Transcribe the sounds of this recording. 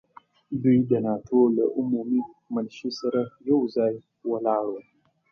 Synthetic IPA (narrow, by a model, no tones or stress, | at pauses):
didɐnatʰoləʔʊmumi | mɐlʃisəɾajowzaj | wɐlaɽo